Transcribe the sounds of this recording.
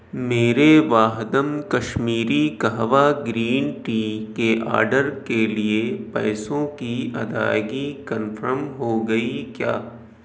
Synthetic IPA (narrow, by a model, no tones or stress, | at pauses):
meːɾeʋaːɦd̪əmkɐʃmiːɾikɐɦʋaɡɾiːnʈiːkeʔa̰ːɾɖəɾkeliepɛːsõkiɐ̰d̪a̰ːɡikɐnfʰəɾmɦoɡɐikja̰ː